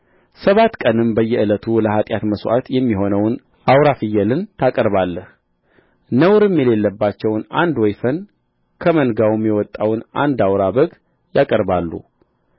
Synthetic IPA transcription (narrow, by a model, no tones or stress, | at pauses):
səβat̪ːkʼənɨmbəjːɛʔɨlət̪ʰuləhat̪ʼjat̪məswʔa̰t̪jɛmːiɦo̞nəwn | ʔawɾafɨjːɛlɨnt̪ʰakʼəɾβalːəh | nəwɾɨmjɛle̞lːəbːat͡ʃːɛwnand̪wɔjfən | kʰəmənɡawɨmjɛwɔt̪ʼːawnʔa̰nd̪awɾabəɡ | jakʼəɾbalːṵ